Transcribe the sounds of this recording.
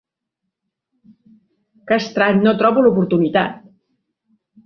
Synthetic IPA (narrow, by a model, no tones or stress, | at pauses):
kast̪ɾat̪not̪ɾɔβulupuɾt̪unit̪at̪̚